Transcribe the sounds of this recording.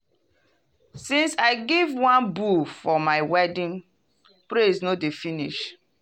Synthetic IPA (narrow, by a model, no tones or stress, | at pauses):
sĩnsaɪɡivwãnbufɔmaɪwɛdĩn | pɾeznodefiniʃ